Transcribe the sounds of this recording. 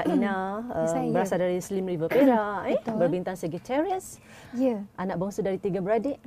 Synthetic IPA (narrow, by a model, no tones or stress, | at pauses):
aʔinaəbəɾasadaɾislimrivəpeɾabərbint̪ansəɡit̪ʰɛɾiəs | jəʔanãʔbəŋsudaɾit̪iɡabəɾadeʔ